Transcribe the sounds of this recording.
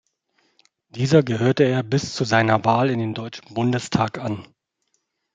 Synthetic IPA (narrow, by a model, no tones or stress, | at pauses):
d̥iːzɐɡəɦøːɐtəeːɐbɪst͡suzaɪnɐvaːlɪndeːndɔʏt͡ʃn̩bʊndəstʰaːkʔan